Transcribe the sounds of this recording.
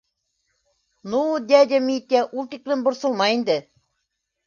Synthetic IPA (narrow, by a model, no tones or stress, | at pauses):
nud̪ʲæd̪ʲæmʲit̪ʲːæʔulˠt̪iklʲɘ̆nbŏɾsɤ̆lˠmɑind̪ɘ̆